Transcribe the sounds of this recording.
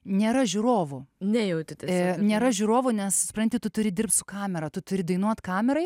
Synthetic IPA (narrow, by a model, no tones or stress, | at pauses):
nʲeːɾɐʒʲuːɾoːʋʊnʲɛjɛʊt̪ʲɪt̪ʲnʲeːɾɐʒʲuːɾoːʋʊnʲɛsssʊpɾɐnʲt̪ʲɪt̪ʊt̪ʊɾʲɪd̪ʲɪrpt̪sʊkɑːmʲɛɾɐt̪ʊt̪ʊɾʲɪd̪ɐɪnuɔt̪kɑːmʲɛɾɐɪ